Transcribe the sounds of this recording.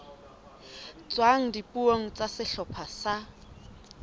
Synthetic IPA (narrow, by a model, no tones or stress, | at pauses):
t͡swaŋ̩dipʼuoŋ̩t͡sʼasɪɬɔpʰasa